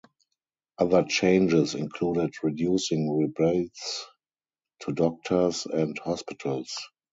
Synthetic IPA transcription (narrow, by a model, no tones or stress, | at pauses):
ʔaðə˞t͡ʃẽɪ̃nd͡ʒɪsɪ̰̃nkʰluːdɪtɹidjuːsɪ̃ŋɹibɛlts | tʰudɔk̚tʰə˞sɛ̃nthɔspɪtʰəls